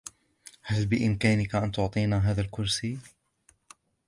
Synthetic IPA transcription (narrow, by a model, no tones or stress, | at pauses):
halbɪʔɪmkaːnɪkaʔant̪ʊʕt̪ˤiːnaɦaːðalkʊɾsi